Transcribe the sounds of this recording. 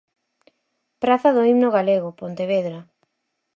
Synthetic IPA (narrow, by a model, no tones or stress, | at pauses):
pɾaθɐðoimnoɣaleɣopont̪eβeðɾa